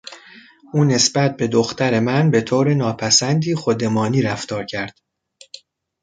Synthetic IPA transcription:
ʔuːne̞sbæt̪̚be̞d̪oxt̪æɾe̞mænbe̞t̪ʰoːɾe̞nɒːpʰæsænd̪iːxod̪e̞mɒːniːɾæft̪ɒːɾcʰæɾd̪̥

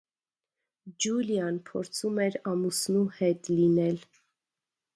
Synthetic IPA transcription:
d͡ʒuljɑnpʰɔɾt͡sʰumɛɾɑmusnuhɛt̪linɛl

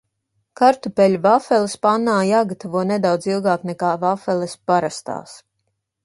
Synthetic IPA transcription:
kaɾt̪upɛlʲuvafɛlˠɛspanːaːjaːɡat̪avuɔnɛd̪awd̪zilˠɡaːknɛkaːvafɛlɛspaɾast̪a̰ːs

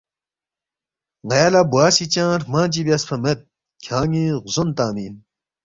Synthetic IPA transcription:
ŋɐjalabuaːsit͡ɕãːɾmãːd͡ʑibjɐspʰɐmet̪̚ | kʰãːŋiʁuzont̪aːmiːn

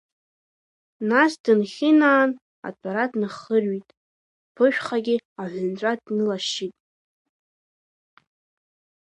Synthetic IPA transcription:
nasdɨnχʲɪnaːn | a̰tʷʰʼaɾatʼnɨχərɥitʼ | pʰɨʃᶣχaɡʲɪaħʷʊnt͡ʃʷʼadnɨlaʃitʼ

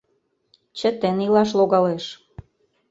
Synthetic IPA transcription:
t͡ɕə̆t̪enilɑʃ̬loɣɑleʃ

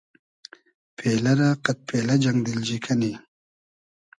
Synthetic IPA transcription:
pʰelaɾaqat̪̚pelad͡ʒaŋɡd̪ild͡ʒikʰani

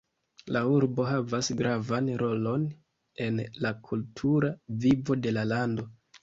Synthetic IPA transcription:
lauɾbo̞ɦavasɡɾʔavanɾo̞lo̞n | e̞nlakʰultʰuɾavivo̞de̞lalando̞

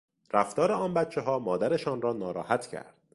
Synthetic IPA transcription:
ræft̪ɒːɾeɒːnbæt̪t͡ʃʰːeɦɒːmɒːd̪æɾe̞ʃɒːnrɒːnɒːɾɒːhæt̪ʰcʰæ̰ɾd̪̥

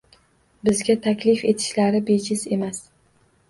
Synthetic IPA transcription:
bɪzɡʲat̪ʰakʲlɪfe̞t̪ʰɪ̥ʃlaɾɪbet͡ʃʰɪze̞mas

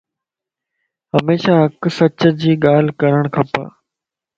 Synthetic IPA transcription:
ɦəmeːʃaːɦəksɐt͡ɕəd͡ʑiːɠaːl̤kəɾəɽ̃kʰɐpa̰ː

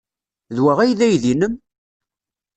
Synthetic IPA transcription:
ðwæʁæjðæjðinəm

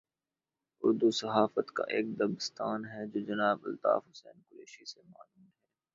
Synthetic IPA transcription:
ʊɾd̪usɐɦaːfət̪ka̰ʔeːk̚d̪ɐbɪst̪aːnɦɛd͡ʒoːd͡ʒɐnaːbɐ̰lt̪a̰ːfɦʊsɛ̰ːnkʊɾeːʃisemaːluːnɦɛː

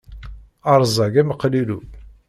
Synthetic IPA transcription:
ɑɾˤzˤɑɡæməqːəliɾu

